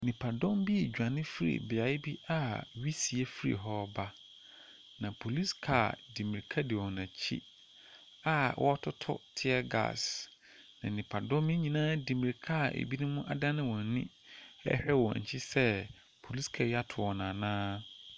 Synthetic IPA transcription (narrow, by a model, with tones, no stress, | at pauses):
nɪ̃˨pʰa˨dɔ̃˦mbi˦e˨d͡ʑᶣã˨nɪ̃˦fi˦ɾḭ˨bɪ˨a˨˦ɪ˦bi˦a˦˨ɥi˦si˨e˦fi˦ɾḭ˨ɦɔ˦ba˦ | nã˨pʰo˨li˦skʰa̰˨dĩ˨mĩ˨ɾi˨kʰa˦dɪ˨wɔ˨nã˨t͡ɕʰḭ˦ | a˨wʔɔ̰˦tʰʊ˦tʰʊ̰˦tʰɪ˦ɛ˦ɡa̰˨s | nã̰˨nɪ̃˨pʰa˨dɔ̃˦mmɪ̃˦ɲĩ˨nãː˦di˨mi˨ɾkʰa˦˨ʔḛ˨bi˦nʊ̃˦mʊ̃˦ʔa˨dã˦nɪ̃˦wɔ̃˨˦nĩ˦ | ɛ̰˦hɛ˦wɔ̰̃˨ɲ̩̰˨t͡ɕʰɪ˦sɛ˦ | pʰo˨li˦skʰa˨ja˦tʰʊ˨wɔ˨nãː˨nãː˦